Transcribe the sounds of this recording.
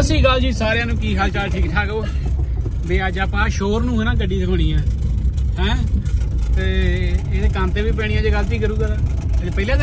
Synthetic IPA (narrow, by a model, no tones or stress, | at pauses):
əsiːɡəld͡ʒiːsaːɾeãːnũːkiːkʰaːlt͡ʃaːlʈʰiːkʈʰaːkoː | beːəd͡ʒaːpãːʃoːɾnũːɦɛːnãːɡəɖiːsəkʰoːɽiːɛ̃ːɦɛ̃ː | t̪eːeːd̪eːkãːnt̪eːʋiːp̬ɛːɽiːãːd͡ʒeːɡəlːt̪iːk̬əɾuːkəɾaː | d͡ʒpəiːlãː